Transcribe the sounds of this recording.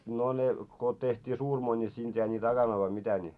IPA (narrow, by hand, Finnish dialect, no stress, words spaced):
no ne ko tehtʲiː suːrmoi nʲi siːnd̥ jæi nit ɑkɑnoi ʋɑi mitæ nʲi